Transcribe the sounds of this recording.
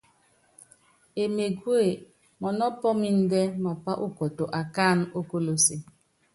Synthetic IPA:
e˨me˨ɡwe˨ | mɔ˨nɔ˦pɔ˦mi˦n̩˦de˦ma˨pa˦ʔu˦kɔ˨to˨ʔa˨ka˦˨n˦o˦ko˦lo˦se˦

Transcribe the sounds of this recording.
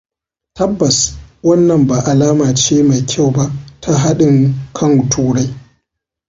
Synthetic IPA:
tɐ˦bːɐ˨swɐ˦nːɐ˨mba˨ʔa˨laː˦maː˨t͡ʃeː˦ma˨jkʲʰa˦˨wba˦ʔtʰa˦ɦa˦ɗɪ˨ŋkʰɐ˦˨ŋʊ˨tʰuː˦ɽa˦j

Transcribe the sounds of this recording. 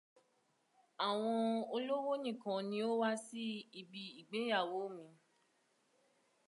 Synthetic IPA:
a˨w̃ɔ̃˧o˧lo˦wo˦nĩ˦˨kã˨nĩ˧˦o˦wa˦si˦i˦˧bi˧i˨ɡ͡be˨˦ja˦˨wo˨˦mĩ˧

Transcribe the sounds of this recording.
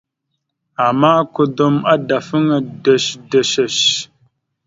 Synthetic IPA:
a˨ma˦ku˦do˦ma˦da˨fə˦ŋa˨də˨ʃdə˨ʃə˨ʃ

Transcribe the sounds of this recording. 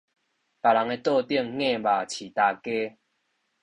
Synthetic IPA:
pa˨˩la˨˦ŋe˧t̪ɔ˥˧t̪i˥˧˨ŋŋẽ˥˧˨ba˨˩t͡ɕʰi˨˩t̪a˧ke˦

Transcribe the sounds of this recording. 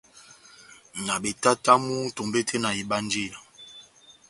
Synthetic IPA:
na˨ɓe˨ta˦ta˦mu˦to˨mbe˦tʰe˦na˨i˨ɓa˦n˦d͡ʒi˦˨ja˨

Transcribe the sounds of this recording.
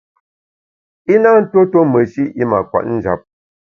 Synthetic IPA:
i˦na˦n̩˦to˦to˦mə˨ʃi˦i˦ma˨kwa̰˨ʔn̩˦d͡ʒa̰˨p̚

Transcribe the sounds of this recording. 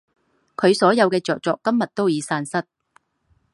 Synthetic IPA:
kʰɵ˨˧ɥsɔː˨˥jɐ˨˧wkɛː˧t͡sɔː˨k̚t͡sɔː˨kːɐ˥mjɐ˨t̚t̪o˥wjiː˨˧saː˧nsɐ˥t̚

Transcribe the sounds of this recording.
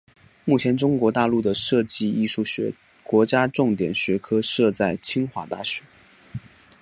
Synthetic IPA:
mu˥˩t͡ɕʰjɛ˧˥nʈ͡ʂʊ˥ŋkwɔ˧˥t̪a˥˧lu˥˩d̪ə˩ʂɤ˥˧t͡ɕi˥˧i˥˧ʂu˥˩ɕɥɛ˧˥ | kwɔ˧˥t͡ɕja˥ʈ͡ʂʊ˥˩ŋt̪jɛ˨˩nɕɥɛ˧˥kʰɤ˥ʂɤ˥˧t͡sa˥˩ɪt͡ɕʰi˥ŋxwa˧˥t̪a˥˩ɕɥɛ˧˥˦

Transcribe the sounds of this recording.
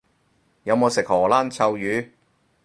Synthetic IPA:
jɐ˨˧wmo˨˧wsɪ˨k̚hɔː˨˩laː˥nt͡sʰɐ˧wjyː˨˧

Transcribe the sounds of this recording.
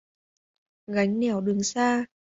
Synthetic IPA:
ɣa˨˦jŋ̟nɛ˧˩wɗɨ˨˩əŋsaː˧

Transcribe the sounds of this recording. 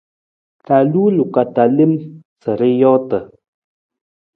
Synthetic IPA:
ta˨lu˦lu˨ka˨ta˨li˦m | t͡sə˨ɾə˦jɔː˦tə˨

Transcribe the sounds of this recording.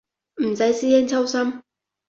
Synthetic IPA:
m̩˨˩sɐ˨˧˥jsiː˥jɛː˥nt͡sʰɐ˥wsɐ˥m

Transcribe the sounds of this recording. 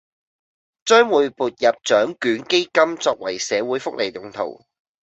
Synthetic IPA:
t͡sœː˥ŋwuː˨˧jpuː˨t̚jɐ˨p̚t͡ʃt͡sœː˨˥ŋkyː˨˥nke˥jkɐ˥mt͡sɔː˧k̚wɐ˨˩jsɛː˨˧wuː˨˥jfʊ˥k̚le˨˩jjʊ˨˩ŋt̪ʰo̰˨˩w

